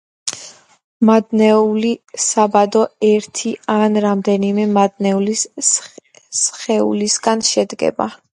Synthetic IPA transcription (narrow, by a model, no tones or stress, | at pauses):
mad̪nɛulisabad̪ɔɛɾt̪ʰianɾamd̪ɛnimɛmad̪̚nɛuli | sχɛṵlisɡanʃɛd̪ɡɛ̰ba̰